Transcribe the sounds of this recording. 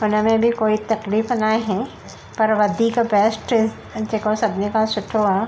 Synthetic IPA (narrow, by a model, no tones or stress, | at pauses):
ʊnɐmẽbʱikoːit̪ɐkliːfnaɦɛ̃ | pɐɾʋɐd̪ʱikabɛːsʈ | d͡ʒekosɐbnekasʊʈʰoːaː